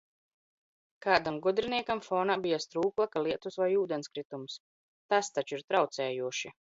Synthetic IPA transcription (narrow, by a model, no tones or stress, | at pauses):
kaːd̪amɡud̪ɾiniɛkamfɔːnabijast̪ɾuːklˠakaliɛt̪usvajuːd̪ɛnskɾit̪ums | t̪ast̪at͡ʃuiɾt̪ɾawt̪sɛːjuɔʃi